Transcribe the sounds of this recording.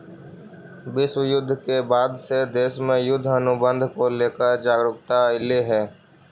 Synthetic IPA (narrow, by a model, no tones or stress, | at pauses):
ʋɪswəjʊd̪ʱːkebaːd̪sed̪eːʃmẽjʊd̪ʱːənʊbə̃nd̪ʱkoleːkəɾd͡ʒaːɡɾʊk̚t̪aɪleɦɛː